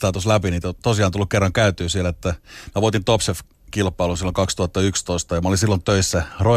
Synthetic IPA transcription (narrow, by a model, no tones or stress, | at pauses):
t̪ɑːt̪uslæpiniːt̪ot̪osiɑˑnt̪ulːukerːɑŋkæyt̪yːsielæet̪ːæmæʋuot̪int̪opsef | kilpːˑɑilunsilːoŋkɑkst̪uhɑt̪ːɑykst̪oist̪ɑjɑmæolinsilːont̪øisːæro